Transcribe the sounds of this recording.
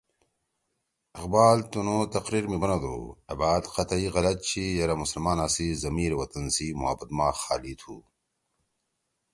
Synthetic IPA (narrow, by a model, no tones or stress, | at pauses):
ɐqbaːlt̪unoːt̪ɐqɾiːɾmibɐnad̪ṵːɐ̰baːd̪qɐt̪ɐiɣɐlɐt̪̚t͡ɕʰijɐɾɐmusɐlmaːnaːsizɐmiːɾwɐt̪ɐnsimṵɦa̰bɐt̪maːxa̰ːlit̪ʰṵː